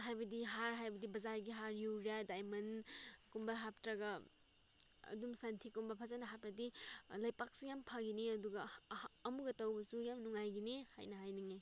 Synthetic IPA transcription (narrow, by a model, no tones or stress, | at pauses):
ɦajbɐdiɦaɾɦajbɐdibɐzaɾɡiɦaɾjuwɾijadajmɐnkumbaɦap̚tɾaɡɐ | dumsantʰikumbapʰazanaɦap̚ɾadilɐjpak̚sujampʰaɡiniɐduɡɐːmuɡɐtɐwbɐsujamnuŋajɡinihajnɐɦajniŋaj